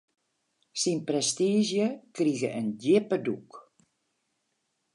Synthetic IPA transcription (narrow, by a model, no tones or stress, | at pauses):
sinprɛstiːzjəkriɣəʔəndɪpəduk